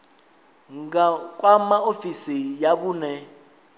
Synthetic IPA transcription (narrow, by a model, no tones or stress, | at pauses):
ŋak̬ʼwamaofisijaɓuːnɛ